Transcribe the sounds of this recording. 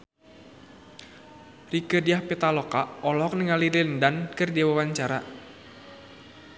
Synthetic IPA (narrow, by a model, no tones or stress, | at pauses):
rikədiahpit̪alɔkaɔlɔk̚niŋaliɾɪndankɨrdiwawaɲt͡ʃaɾa